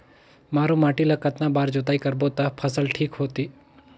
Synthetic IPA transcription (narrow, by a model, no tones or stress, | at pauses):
maːɾũmaːʈilakɐt̪nabaːɾd͡ʒot̪aːikɐɾbot̪apʰəsəlʈʰiːkɦoːt̪iː